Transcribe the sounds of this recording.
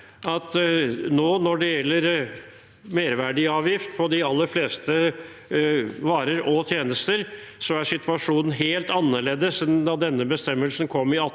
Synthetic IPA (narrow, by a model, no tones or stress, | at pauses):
ɑt̪noːnɔɖɛjɛlːəɾ | meːɾʋæɖɪɑːʋjɪft̪̚pʰɔd̪ɪɑlːəɾfleːst̪ə | ʋɑːɾəɾɔt̪ʰjeːnəst̪əɾsɔæɾʂɪt̪ʰʋɑʂuːnən̩ɦeːlt̪ɑnːəɭeːd̪əsd̪ɑd̪ɛnːəbəst̪ɛmːəlsn̩kʰɔmːɪɑt̪